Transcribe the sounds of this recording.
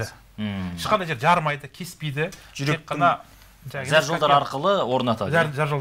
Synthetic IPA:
ɪ | ɪʃqɑnd̪ɑjd͡ʒeɾʒɑɾmɑjd̪əkʲʰe̞spejd̪ɪʒʏɾeqːɑnɑ | ʒæʒæɾʒəolˠd̪ɑɾɑɾqəlˠəwo̞ɾnɑt̪ɑʒæʒæɾʒəlˠ

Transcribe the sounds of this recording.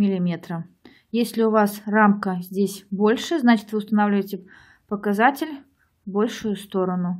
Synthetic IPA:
mʲɪlʲɪmʲet̪ɾə | jesʲlʲɪʊvasramkəzʲdʲesʲbo̞lʲʂɨznat͡ɕɪ̥t̪vɨʊst̪ɐnavlʲɪvəjtʲɪ | pəkazat͡sʲɪlʲ | bo̞lʲʂʊjʊst̪oɾənʊ

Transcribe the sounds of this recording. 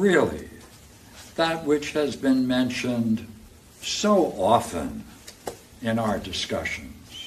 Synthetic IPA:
ɹɪlˠḭ | ðət̚wɪt͡ʃhɨzbɨ̃nmɛ̃nʃɨ̃nd | soʊʔɔfə̰̃n | ɪ̃naʊə˞dɨskʌ̰ʃɨ̃nz̥

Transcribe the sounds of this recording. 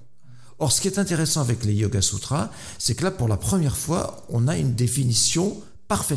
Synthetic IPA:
ɔʁsə̥kʲiɛt̪ɛ̃t̪eʁɛsɑ̃avɛklejoɡasut̪χa | sɛkəlapuʁlapχəmjɛʁfwa̰ | ɔ̃naynd̪efinisjɔ̃ | paʁfɛ

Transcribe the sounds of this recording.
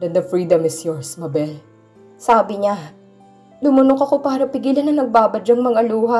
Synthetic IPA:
d̪ɛnd̪ɐfɹiːd̪ɐmɪsjɔɹsmɐbɛl | saːbɪɲa | d̪ʊmʊnokɐko̞paːɾɐpɪɡiːlɐnːɐŋnɐɡ̚baːbɐd͡ʒɐŋmɐŋaluːɦɐ

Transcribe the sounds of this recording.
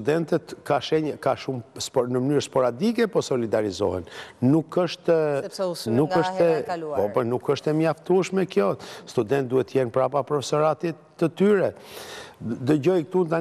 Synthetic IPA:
sud̪ɛnt̪ɛt̪kaʃɛɲəkaʃumsnəmənyɾspɔɾad̪ikɛpɔsɔlid̪aɾizɔ̰hɛ̰nnukːəʃt̪ɛ | nukəʃt̪ɛpɔpənukəʃt̪ɛmjaft̪uɛʃmɛkjɔst̪ud̪ɛnt̪̚d̪uhɛt̪ːəjɛnpɾapapɾɔfɛsɔɾat̪iː | ət̪yɾɛ | d̪əɟɔjk̚t̪unt̪a

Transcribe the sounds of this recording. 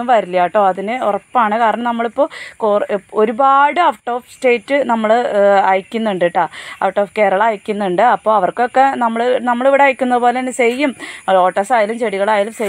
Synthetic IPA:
umʋɐɾilːjaːʈːo̞ːɐðinɨurɐpːaːɳɨkaːɾɐɳɐmnɐmːɐɭipːo̞ːkoɾubaːɽɨɐfʈːo̞ːfste̞ːtːɨnɐmːɐɭɐjkʲːunːuɳɖiʈːaːɐfʈːo̞ːfke̞ːɾɐɭaːjkʲːunːuɳɖɨɐpːo̞ːɐʋɐrko̞kːe̞nɐmːɐɭnɐmːɐɭiʋiɽeɐːjikʲːunːɐðɨpoːlenɨsejːumɭo̞ːʈːɐsaːjɐlumt͡ɕeɽiɣɐɭaːjilumse

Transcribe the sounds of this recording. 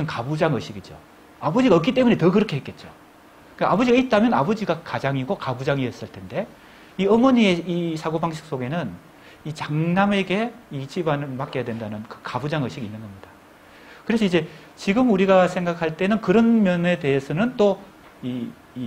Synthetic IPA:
ɯnkabud͡ʑaŋʌɕ͈ʰiɡid͡ʑo̰ | abod͡ʑiɡaʌk͈it͈e̞mune̞tʌkɯɾʌkʰe̞ɦek͈et̚t͡ɕ͈o | ɯaabʌd͡ʑiɡait̚t͈amjʌna̰bʌd͡ʑiɡakad͡ʑaŋiɡokabud͡ʑaŋies͈ɯɭtʰe̞nde̞ | iʌmwʌɲie̞isʰaɡobaŋɕʰi̥k̚s͈oɡe̞nɯn | it͡ɕaŋname̞ɡe̞it͡ɕibanɯɭmak͈ejadwe̞ndanɯnkɯkabud͡ʑaŋʌɕ͈ʰiɡinːɯnɡʌmɲid̥a | kɯɾe̞s̬ʰʌid͡ʑe̞ | t͡ɕiɡɯmuɾiɡasʰe̞ŋɡakʰaɭt͈e̞nɯnkɯɾʌnmjʌne̞te̞esʰʌnɯnt͈o | iː

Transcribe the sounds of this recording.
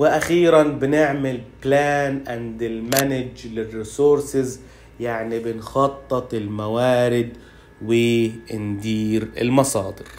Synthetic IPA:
wɪʔaxiːɾanbɪnɪʕmɪlplaːnʔand̪ɪlmanɪd͡ʒlɪrːiːsuːɾsɪz | jaʕnibɪnxɑt̪ˤːɨt̪ˤɪlmawaːɾɪd̪ | wɪɪnd̪iːɾɪ̰lmɑsˤɑːd̪ɪɾ

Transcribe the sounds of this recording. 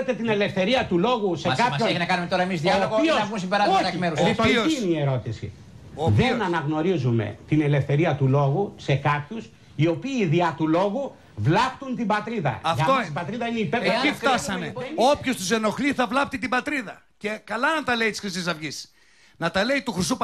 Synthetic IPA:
t̪e̞t̪ine̞le̞fθe̞ɾiɐt̪ulo̞ɣusekɐpɐoeçinɐkɐnumet̪oɾɐemizðiɐoɣoioɐus̬ibeɾɐoɐmeɾust̪iosnieɾo̞t̪isḭ | oðenɐnɐɣno̞ɾizume̞̰t̪ine̞le̞fθe̞ɾiɐt̪ulo̞ɣuse̞kɐpçus | io̞piːðiɐt̪ulo̞ɣu | vlɐpt̪unt̪ibɐt̪ɾiðɐ̰ɐfʝtɐt̪ossibɐt̪ɾiðɐineipeɾeift̪ɐsɐneo̞pçost̪us̬e̞no̞xliθɐvlɐp̚t̪it̪ibɐt̪ɾiðɐ | ce̞kɐlɐnɐnt̪ɐle̞it̪i̥sxɾisisɐvʝis | nɐt̪ɐle̞it̪uxɾis̬up

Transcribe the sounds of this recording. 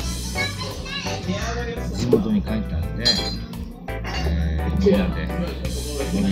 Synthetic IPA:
d͡ʑimo̞t̪o̞ɲ̟ikait̪eand̪e | e | d̪e

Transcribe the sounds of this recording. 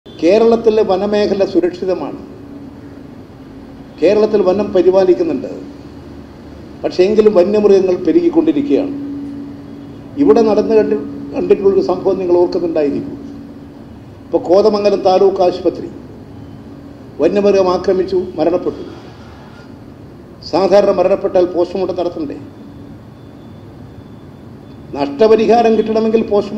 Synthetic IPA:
ke̞ːɾɐɭɐt̪ːilʋɐnɐme̞ːkʰɐlɐsuɾɐkʂiðɐma̰ːɳɨ̰ | ke̞ːɾɐɭɐt̪ːilʋɐnɐmpɐɾibaːlikʲːunːuɳɖɨ̰ | pɐʈʂe̞eŋɡilumʋɐnːɐmrɡɐŋːɐɭpeɾikːikːo̞ɳɖiɾukʲːɐja̰ːɳɨ | iʋiɽe̞nɐɽɐnːɨɐkɐɳɖiʈːuluɭoɾusɐmbʱɐʋɐnːiŋːɐɭoːrkunːuɳɖaːjiɾikːṵ | ipːoːko̞ːðɐmɐŋːɐlɐmt̪aːloːkːaːɕu̥pɐt̪rḭ | ʋɐnːɐmɨrɣɐmaːkrɐmit͡ɕːumɐɾɐɳɐpːeʈːu | saːd̪ʱaːɾɐɳɐmːɐɾɐɳɐpːe̞ʈːaːlpo̞ːɕɐmuʈːet̪ɐɽɐt̪ːuɳɖḛ | nɐʂʈɐpɐɾiɦaːɾɐmkiʈːɐɳɐmeŋɡilpo̞ːɕɐm

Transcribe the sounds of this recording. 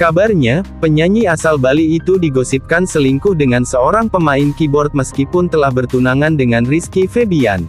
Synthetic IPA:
kabarɲapəɲaɲiasalbaliːt̪udiɡosip̚kansəliŋkʊhdəŋansəoɾaŋpəmaɪnkibɔrt̪̚məskipʊnt̪əlahbərt̪unaŋandəŋanriskifebia̰n

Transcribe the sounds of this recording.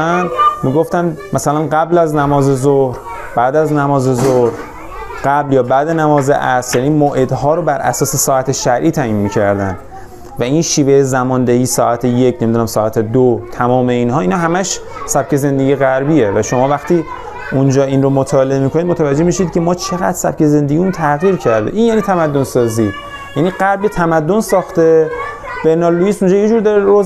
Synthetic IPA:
nmiːɡoft̪ænmæsælænɢæblæznæmɒːze̞zohɾ | b̥æːd̪æznæmɒːzezohɾ | ɢ̥æbljɒːbæːd̪enæmɒːzḛʔæsjæːniːmoʔe̞d̪ɦɒːɾobæɾʔæ̰sɒːse̞sɒːæt̪ʰe̞ʃæɾʔiːt̪ʰæʔinmiːcʰæɾd̪ænd̪ | væinʃiːve̞jezæmɒːnd̪ehiːsɒːʔæt̪ʰeje̞cʰnemid̪unæmsɒːæt̪ʰed̪ot̪ʰæmɒːme̞iːnɦɒːiːnɒɦæmæʃ | sæb̥̚cʰe̞ze̞nd̪e̞ɡieɣæɾbiːevæʃo̞mɒːvæxt̪iː | und͡ʒɒːʔinɾomot̪ʰɒːleemiːkʰonid̪mot̪ʰævæd͡ʒːe̞miʃid̪̥̚cʰemɒːt͡ʃʰe̞ɣæ̰d̪ɾsæ̰b̥̚ce̞ze̞nd̪eɡiunt̪ʰæɣiːɾcʰæɾd̪ḛʔiːnjæniːt̪ʰæmæd̪ːonsɒːziː | jæniːɢæɾbet̪ʰæmæd̪ːonsɒːxt̪e | b̥enɒːlːuiːsund͡ʒɒːjed͡ʒuːɾd̪ɒɾeɾo

